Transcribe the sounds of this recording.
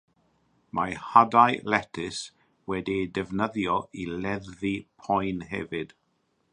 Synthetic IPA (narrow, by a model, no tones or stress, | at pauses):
mʔahadajlɛtʰɪs | wɛdidɛvnəðjɔilɛðvipʰɔjnɦɛ̰vɨd̥